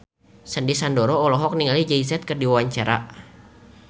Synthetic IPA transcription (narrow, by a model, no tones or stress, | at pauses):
səndisandɔɾɔːlɔɦɔk̚niŋalid͡ʒais̬ɛt̪̚kərdiwawaɲt͡ʃaɾa̰